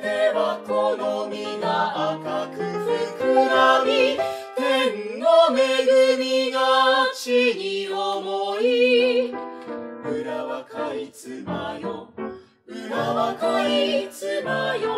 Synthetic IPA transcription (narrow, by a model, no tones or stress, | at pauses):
eβakonomʲinaakakɯsɯkɯɾamʲi | t̪ennome̞ɡɯmʲiɡat͡ɕiɲiomoi | ɯɾaβakait͡sɨmajo | ɯɾaβakait͡sɨmajo